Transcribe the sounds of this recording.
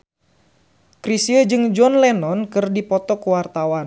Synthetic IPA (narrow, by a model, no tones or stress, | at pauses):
kɾisiəd͡ʒɨŋd͡ʒɔnlɛnɔnkɨrdipɔt̪ɔkuwart̪awan